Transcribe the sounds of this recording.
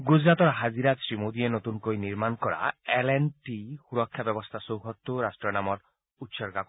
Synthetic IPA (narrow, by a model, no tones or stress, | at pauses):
ɡud͡zɾat̪ɔɾɦad͡ʒiɾasɾimod̪ienot̪unkojniɾmankɔɾa̰elenʈihuɾɔkʰːjabɔbɔst̪ʰasowɦɔt̪ːuɾasʈɾɔnamɔɾ | ut̪ʃɔɾɡak